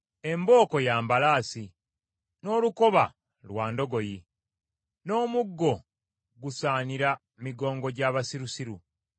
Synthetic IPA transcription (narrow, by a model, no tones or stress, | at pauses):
e̞mbo̞ːko̞jaːmbalaːsi | no̞ːluko̞βa | lwaːndo̞ɡo̞ji | no̞ːmuɡːo̞ | ɡusaːniɾa | miɡo̞ːŋɡo̞ɟaːβasiɾusiɾu